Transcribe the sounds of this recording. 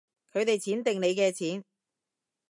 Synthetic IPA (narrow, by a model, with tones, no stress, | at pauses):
kʰɵ˨˧ɥt̪e˨jt͡sʰiː˨˥nt̪ɪ˨ŋne˨˧jkɛː˧t͡sʰiː˨˥n